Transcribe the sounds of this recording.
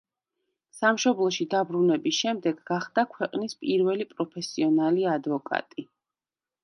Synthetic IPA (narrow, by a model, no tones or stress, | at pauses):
samʃɔblˠɔʃid̪abɾunɛbisʃɛmd̪ɛɡːaχd̪̥akʰwɛqʼnispʼiɾvɛlipʼɾɔpʰɛsiɔnaliad̪vɔkʼa̰t̪ʼi